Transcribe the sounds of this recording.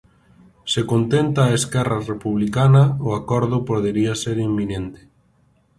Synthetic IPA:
sekont̪ent̪aːeskɛrarepuβlikanɐʊakɔɾðʊpoðeɾiaseɾimːĩnẽnt̪ɪ̥

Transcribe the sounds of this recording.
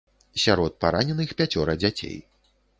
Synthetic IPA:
sʲaɾɔt̪̚paɾanʲɛnɨxpʲat͡sʲɔɾɐd͡zʲat͡sʲḛj

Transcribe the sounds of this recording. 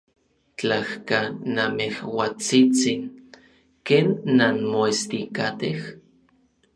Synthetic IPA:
t͡ɬahkanamehwat͡sit͡sin | keːnːanmoest̪ikat̪eh

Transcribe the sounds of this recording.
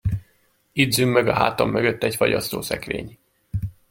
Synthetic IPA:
id̪zymːøɡɒɦaːt̪omːøɡøt̪ːɛɟfɒɟɒst̪oːsɛkvḛːɲ

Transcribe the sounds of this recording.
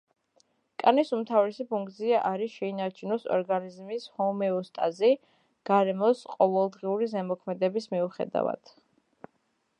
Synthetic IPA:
kʼanisumt̪ʰavɾɛsipʰuŋk̚ʰt̪sʰiaʔaɾiʃɛinaɾt͡ʃʰunɔsɔ̰ɾɡanizmishɔmɛɔst̪ʼazi | ɡ̥aɾɛmɔsqʼɔvɛlˠd̪ʁiuɾizɛmɔkʰmɛd̪ɛbismiuχɛ̰d̪a̰va̰d̪̥

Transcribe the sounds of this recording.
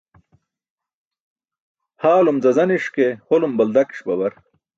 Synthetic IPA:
haːlumzɐzɐniʂkeholumbɐld̪ɐki̥ʂbɐbɐɾ

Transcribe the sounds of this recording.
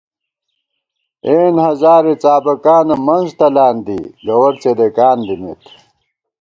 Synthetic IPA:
eːnhɐzaːɾet͡saːbɐkaːnɐmɐnzt̪ɐlaːnd̪ḭɡɐwɐɾt͡sed̪ekaːnd̪imḛt̪

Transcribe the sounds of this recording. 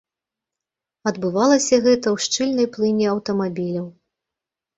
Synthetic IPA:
ɐd̪bɨvalˠɐsʲɐɣɛt̪ɐwʂt͡ʂɨlʲnɐjplˠɨnʲiɐwt̪ɐmabʲilʲɐw

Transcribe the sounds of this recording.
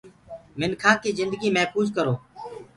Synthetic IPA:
mɪnkʰaːkiːzɪnd̪əɡiːmɛɦfuːzkəɾoː

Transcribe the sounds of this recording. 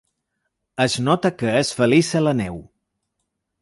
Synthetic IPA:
əznɔt̪əkəesfəlizələnɛw

